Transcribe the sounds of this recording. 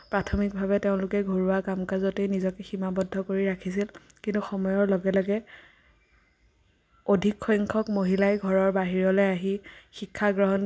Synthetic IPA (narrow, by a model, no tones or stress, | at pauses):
pɹatʰɔmik̚bʱabɛteʊ̃lʊkɛɡʱoɹuwakamkazɔtejnizɔkɛximabɔdʱːɔkoɹiɹakʰisil | kintuxɔmɔjɔɹlɔɡɛlɔɡɛ | odʱikʰxɔjŋkʰɔkmoɦilajɡʱɔɹɔɹbaɦiɹɔlɔjaɦixikʰːaɡɹɔɦɔn